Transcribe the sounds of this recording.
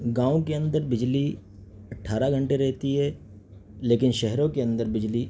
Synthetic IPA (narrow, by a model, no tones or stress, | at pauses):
ɡãːõkeɐ̃nd̪əɾbɪd͡ʒli | ɐʈʰːaːɾaɡʱɐ̃ɳʈeɾɛɦt̪iɦɛː | leːkɪnʃɛɦɾõkeɐ̃nd̪əɾbɪd͡ʒli